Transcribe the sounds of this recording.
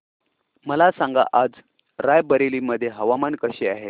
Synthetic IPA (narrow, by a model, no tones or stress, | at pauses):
məlasãŋɡa̰ʔad͡z | ɾajbəɾeliːməd̪ʱːjeɦəʋamankəɕeaɦe